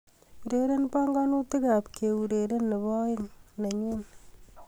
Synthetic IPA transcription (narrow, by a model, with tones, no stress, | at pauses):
u˨ɾe˨ɾe˦npa˦ŋɡa˦nu˦ti˦ka˨pke˨u˨ɾe˨ɾe˦nːe˨βɔ˦ɪ˦ŋna˨ɲu˦n